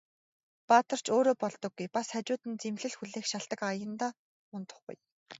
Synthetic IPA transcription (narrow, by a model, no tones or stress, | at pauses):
paːt̪ə̆r̥t͡ɕʰoːɾoːpɔɮt̪ɞ̆ɡːujpasat͡ɕʊːt̪ɘ̆nt͡semɮɘ̆ɮxuɮeːxʃaɮt̪ə̆kajə̆nt̪aː | ʊnt̪ə̥̆χɡṵj